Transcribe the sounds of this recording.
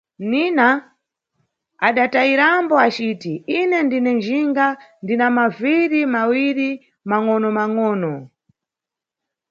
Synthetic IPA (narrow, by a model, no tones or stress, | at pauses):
nina | aɗataiɾambɔat͡ʃiːtiinɛndinɛnd͡ʒiŋɡandinamaviɾimawiɾi | maŋɔnɔmaŋɔːnɔ